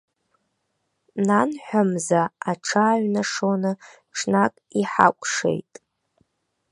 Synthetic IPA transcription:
nanħʷᶣamzaaʈ͡ʂʰaːɥʷnaʂonɨ | ʈ͡ʂʰnakʼiħa̰kʷʼʂḛjtʼ

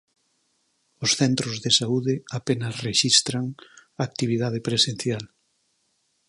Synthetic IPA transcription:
ʊsθɛnt̪ɾozðesauðɪapenasreʃist̪ɾaŋaːk̚t̪iβiðað̞epɾesen̟θjal

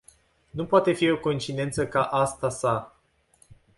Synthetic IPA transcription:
nupoat̪e̞fio̞ko̞int͡ʃid̪e̞nt̪səkaʔast̪asa

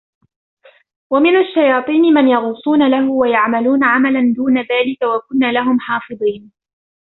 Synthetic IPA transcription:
wamɪnaʃːajɑːt̪ˤiːnɪmanjɑɣuːsˤuːnalaɦʊwajaʕmaluːnaʕamaland̪uːnaðaːlɪkawakʊnːaːlaɦʊmħɑːfɨðˤiːn

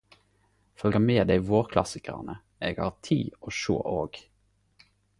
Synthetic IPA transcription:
fœlɡəmeːd̪æɪʋoːʁkʰlɑ̰sɪkə̰ʁnə | ʔeːɡhɑ̰ːʁt̪ʰḭːoːʃø̰ːʔoːɡ

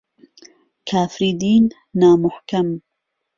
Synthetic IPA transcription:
kʰaːfɾiːd̪iːnː | aːmʊhkɐm

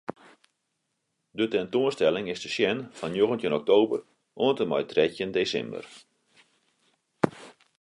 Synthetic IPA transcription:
dətɛntoənstɛlɪŋɪsdəʃjɛnfɔnjoɣəntənɔk̚toːbə̰r | ʔoəntəmɔ̰jtrɛtjəndeːsɛ̰mbə̰r

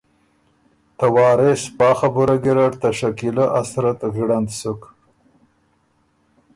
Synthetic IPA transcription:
t̪awɑːɾespɑːxabʊɾaɡiɾaɾt̪aʂakilaʔasɾat̪ɣɽand̪sʊk

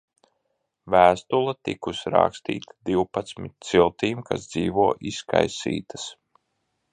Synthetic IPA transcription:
væːst̪ulˠat̪ḭkusɾa̰kst̪ḭːt̪ʰḁd̪iwpat̪smit̪̚ʲsilˠt̪iːmka̰sd̪ziːvuɔʔiska̰jsḭːt̪ḁs

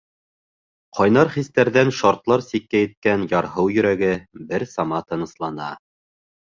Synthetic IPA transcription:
qʰɑjnɑɾχist̪æɾðænʃɑɾt̪lˠɑɾsikːæjɘ̆t̪̚kænjɑɾɦɤwjɵ̆ɾæɡɘbɘɾsɑmɑt̪ɤ̆nɤ̆slˠɑnɑ

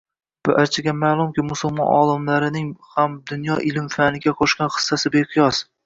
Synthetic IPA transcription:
b̥ʊʔaɾt͡ʃʰɪɡʲamaːlˠʊmkʲɪmʊsʊlˠmɒ̰nʔɒ̰lˠɪmlaɾɪnɪŋhamd̪ʊnjɒʔɪlɪmfanɪɡʲaqʰɒʃkʲanχɨ̥sːasɪbeqʰɨjɒs

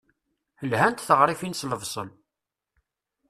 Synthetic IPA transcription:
həlhænt̪θəʁɾˤifinsləvsˤən

